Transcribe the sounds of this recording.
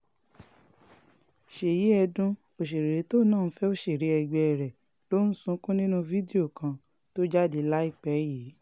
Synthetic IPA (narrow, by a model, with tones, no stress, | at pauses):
ʃe˨ji˨˦ɛ˧dũ˦ | o˨ʃe˨ɾe˨ɾe˨˦to˦˨˦nãː˦˨˦fɛ˦o˦˨ʃe˨ɾe˨˦ɛ˧ɡ͡bɛ˧ɛ˨ɾɛ˨ | lo˦n̩˦sũ˧˦kũ˦nĩ˦nũ˦vi˦de˦o˦˨kã˧ | to˦d͡ʒa˦di˨˦la˦i˦˨k͡pɛ˨˦jiː˨˦